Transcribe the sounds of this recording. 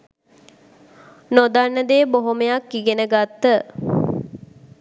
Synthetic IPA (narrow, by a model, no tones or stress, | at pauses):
nod̪anːəd̪eːboɦoməjakːiɡenəɡat̪ːə